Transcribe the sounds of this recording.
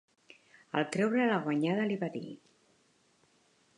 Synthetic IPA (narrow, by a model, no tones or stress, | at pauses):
ə̰lˠt̪ɾɛwɾələɣwaɲaðəliβaðḭ